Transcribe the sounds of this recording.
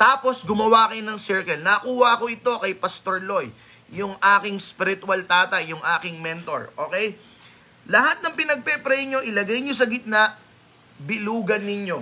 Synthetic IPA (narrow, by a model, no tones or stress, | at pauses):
t̪aːpo̞sɡʊmɐwakɐjonɐŋsɛɹkɛlnɐkuːhɐʔɐko̞ʔɪt̪o̞kɐjpɐst̪oɹlo̞jː | ʊŋʔaːkɪŋspɪɾɪt̪ʊwɐlt̪aːt̪ɐjjʊŋʔaːkɪŋmɛnt̪o̞̰ɹʔo̞ːkɛj | lɐhat̪̚nɐŋpɪnɐɡ̚pɛpɾɛjɲo̞ʔɪlɐɡajɲos̬ɐɡɪt̪̚naʔ | bɪluːɡɐnːɪɲjo̞